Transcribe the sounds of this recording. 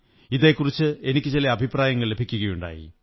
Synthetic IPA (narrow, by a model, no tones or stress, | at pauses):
iðe̞ːkːurit͡ɕːɨe̞nikʲːɨt͡ɕilɐɐbʱipraːjɐŋːɐɭle̞bʱikʲːuɣɐjuɳɖa̰ːjḭ